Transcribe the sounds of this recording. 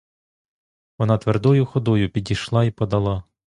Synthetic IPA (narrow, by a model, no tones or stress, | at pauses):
ʋɔnɑt̪ʋerd̪ɔjʊxɔd̪ɔjʊpʲidʲijʃlˠɑipɔd̪ɐlˠɑ